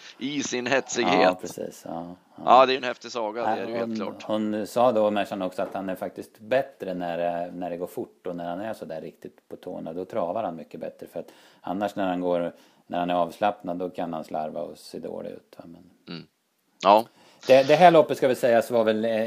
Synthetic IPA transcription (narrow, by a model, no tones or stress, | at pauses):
ɪsɪnhɛt̪sɪɡheːpʰɾɛsḭːsɑː | d̪ɛæɾɛnhɛft̪ɪsɑːɡadɛæɾjəheʊːnklɑ̰ːhʊnsɑːd̪ɔmɛʂanɔksɔat̪hanæɾfak̚t̪ɪst̪bɛt̪ɾənæɾnæɖɛɡoːɾfʊʈːɔnæɾhanæʂɔd̪æɾːɪkt̪ɪt̪pʰɔt̪ʰo̰ːnad̪ɔt̪ʰɾɑːvaɾhanmʏkːəbɛ̰t̪ɾəfœɾat̪a̰nːaʂnæɾhanɡoːɾ | næɾhanæɾɑːvslapnad̪d̪ːɔkʰanhansla̰ɾva̰ɔsḛːd̪o̰ːlɪ̰ʉ̟̰ːt̪va̰mɛn | ɑ | d̪ɛd̪ɛɦæːɭɔpːət̪skavɪlsɛjːasvaɾvɛl